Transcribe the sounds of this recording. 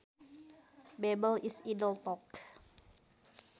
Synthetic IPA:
bɛbəlisidəlt̪ɔk

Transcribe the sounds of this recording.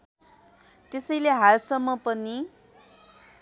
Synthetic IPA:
t̪esʌjleɦalsʌmːʌpʌni

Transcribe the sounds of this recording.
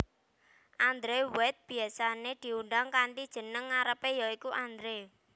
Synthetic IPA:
ʔand̪ɾewɛt̪̚b̥i̤asaned̪̥i̤uɳɖaŋkanʈ̪id̥ʒ̥ə̤nəŋːaɾəpejaikuʔand̪ɾe

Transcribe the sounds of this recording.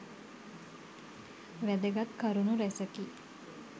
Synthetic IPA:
ʋæd̪əɡat̪kəɾunuɾæsəki

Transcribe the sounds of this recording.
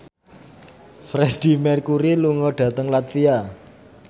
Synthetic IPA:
fɾɛɖ̥i̤mɛrkuɾiluŋɔɖ̥ä̤t̪əŋlat̪fia

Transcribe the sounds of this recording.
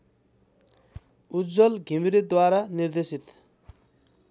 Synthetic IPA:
ud͡zɔlɡʱimiɾid̪waɾaniɾd̪esit̪

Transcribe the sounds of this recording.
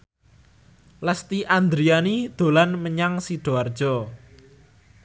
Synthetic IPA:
ləst̪iʔand̪ɾianid̪̥o̤lanməɲaŋsiɖ̥oard̥ʒ̥ɔ

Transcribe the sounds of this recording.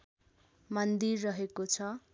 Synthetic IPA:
mʌnd̪irːʌɦekot͡sʰʌ

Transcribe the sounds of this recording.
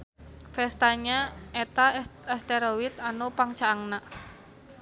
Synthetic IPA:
fɛst̪aɲaet̪aɛst̪eɾowit̪anupaŋt͡ʃaːŋna

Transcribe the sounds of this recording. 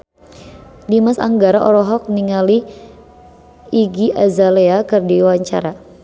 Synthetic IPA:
dimasa̰ŋɡaɾaʔɔɾɔɦɔk̚niŋali | iɡiʔazaleakərdiwaɲt͡ʃa̰ɾa

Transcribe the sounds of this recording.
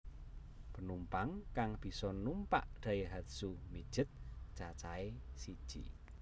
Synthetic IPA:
pənumpaŋkaŋb̥i̤sɔnumpa̰ʔd̪̥ä̤jeɦat̪sumi̥ʒ̥ɪt̪̚ʒ̥at͡ʃaesid̥ʒ̥ḭ

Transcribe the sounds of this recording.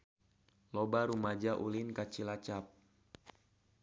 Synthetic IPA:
lobaɾumad͡ʒaʔulinkat͡ʃilat͡ʃap̚

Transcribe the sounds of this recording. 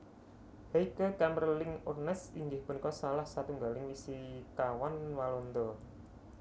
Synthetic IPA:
heikəkamrəlɪŋurnɛsiŋɡɪhpunikɔsalahsat̪uŋɡalɪŋmisikawanwalond̪ɔ

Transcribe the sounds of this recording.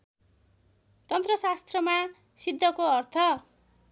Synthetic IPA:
t̪ʌnt̪rʌsast̪rʌma | sid̪ʱːʌkoʌrt̪ʰʌ

